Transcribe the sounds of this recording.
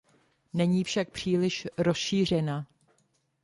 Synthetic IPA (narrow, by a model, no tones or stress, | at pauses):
nɛɲiːfʃak̚pr̝̥iːlɪʃɾo̞sʃiːr̝ɛna